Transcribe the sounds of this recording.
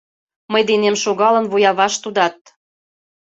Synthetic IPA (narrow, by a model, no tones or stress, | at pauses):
məjd̪enemʃoɣɑlə̆nβujɑβɑʃt̪ud̪ɑt̪̚